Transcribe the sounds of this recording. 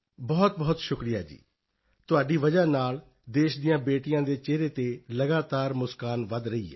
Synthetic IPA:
bɔːt̪̚bɔːt̪ʃʊkɾijaːd͡ʒḭː | t̪ʊaːɖiːʋəd͡ʒaːnaːl | d̪eːʃd̪ɪjãːbeːʈɪjãːd̪eːt͡ʃeːɾeːt̪eːləɡaːt̪aːɾmʊskaːnʋəd̪ɾəiːɦɛ̰ː

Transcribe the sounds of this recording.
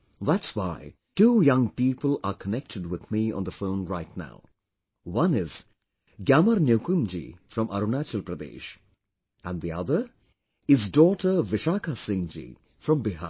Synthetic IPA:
ðæʈswaɪ | ʈuːjʌ̃ŋpiːpəlaːɾkʰənɛk̚ʈʰɪɖwɪd̪miɔ̰̃nd̪əfõʊ̃nɾaɪtna̰ʊ | ʋʌ̃nɪz | ɡjæːməɾnjoʊkumd͡ʒḭfɾɔ̃mʔɐ̰ɾunaːt͡ʃəlpɾəd̪ḛːʃ | æ̃nɖd̪iʌ̰d̪əɾ | ɪzɖɔːʈəɾʋɪʃaːkʰasɪ̃ŋd͡ʒḭ | fɾɔ̃mbɪɦa̰

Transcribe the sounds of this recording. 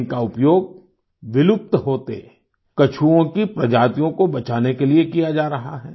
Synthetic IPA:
kaʊpjoːɡ̚ | ʋɪlʊp̚t̪ɦoːt̪ḛ | kɐt͡ʃʰuõkipɾɐd͡ʒaːt̪ijõkobɐt͡ʃaːnekeliekijad͡ʒaːɾɐɦaɦɛː

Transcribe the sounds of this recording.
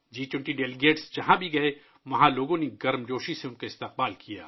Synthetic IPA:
d͡ʒiːt͡ʃʊ̃ɳʈiɖɛːlɪɡeːʈsd͡ʒɐɦãbʱiɡɐe | ʋɐɦãloːɡõneɡɐɾmd͡ʒoːʃiseʊnkaɪst̪eq̚baːlkija̰ː

